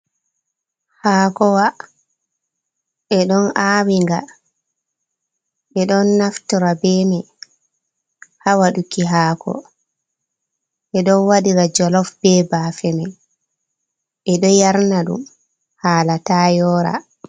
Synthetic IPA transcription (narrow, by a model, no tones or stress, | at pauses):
haːkɔwa | ɛɗɔnaːwiŋɡa̰ | ɓɛɗɔnːaftɔɾabɛmɛ | hawaɗukiɦakʰɔ̰ | ʔɛɗɔnwaɗiɾad͡ʒɔlɔfbɛːbaːfɛmaj | ʔɛɗɔjaɾnaɗṵm | haːlataːjɔːɾa̰